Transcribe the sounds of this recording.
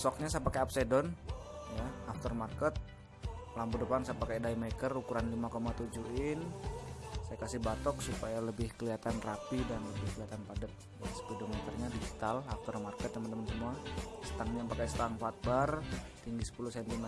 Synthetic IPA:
sɔk̚ɲasajapakaapsedɔnjaaft̪ɔrmarkət̪̚ | lampudəpansajpakadaimekərukuɾanlimakomat̪ud͡ʒuɪn | sajakasibat̪ɔk̚supajaləbɪhkəliat̪anrapidanləbɪhkəliat̪anpadət̪̚jasə̥pidomet̪ərɲadid͡ʒit̪alaft̪ərmarkət̪ːəmənt̪əmənsəmuasə̥t̪aŋɲapakast̪aŋfat̪̚bart̪iŋɡisə̥puluhsɛnt̪imɛ

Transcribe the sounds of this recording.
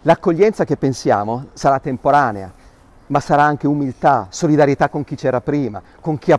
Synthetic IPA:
lakːoʎːɛnt̪sak̟epːensja̰ːmosaɾat̪ːempoɾaːnea̰ | masːaɾaaŋk̟eumilt̪asolid̪aɾjet̪akːoŋk̟it͡ʃɛːɾapɾiːma̰ | koŋk̟ia

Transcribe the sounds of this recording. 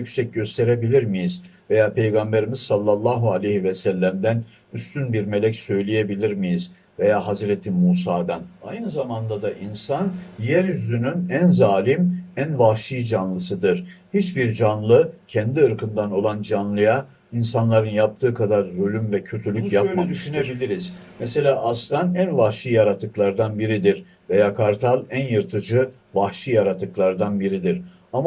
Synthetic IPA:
ycʲsɛc̚ɟø̞st̪ʰe̞ɾe̞bilʲiɾmijizve̞jaːpʰe̞jɡambe̞ɾimiz̥salˠːalˠːaːɦualʲejhivɛsælʲːæmd̪æn | yst̪ynbiɾme̞lʲɛcsø̞jlʲije̞bilʲiɾmijiz̥ | ve̞jaːɦazɾet̪ʰimuːsaːd̪ana̰jnɯzamand̪ad̪aʔinsanjæɾjyzynynænzaːlʲimænvaʃɯjd͡ʒanlˠɯsɯd̪ɯɾ̥hit͡ʃbiɾd͡ʒanlˠɯcʰɛnd̪iɯɾkɯnd̪ano̞lˠand͡ʒanlˠɯja | insanlˠaɾɯnjap̚t̪ʰɯːkʰad̪aɾzølʲymvɛcʰø̞t̪ʰylʲyjanɯd̪yʃyne̞bilʲiɾiz̥mese̞lʲaːʔaslˠanænvahʃijaɾat̪ʰːɯklˠaɾd̪anbiɾid̪iɾ | vejaːkʰaɾt̪ʰalˠænjɯɾt̪ʰɯd͡ʒɯ | vahʃijaɾat̪ʰːɯklˠaɾd̪anbiɾid̪iɾ | ama

